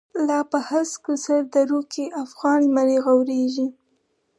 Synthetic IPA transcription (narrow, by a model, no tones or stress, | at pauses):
lɑpəhaskusaɾd̪aɾukeʔafɣɑnmaɾeɣawɾeʒi